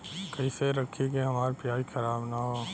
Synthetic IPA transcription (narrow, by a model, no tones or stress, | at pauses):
kɐiseɾɐkʰːikeɦɐmaːɾpjaːixʰɐɾaːbnaɦoː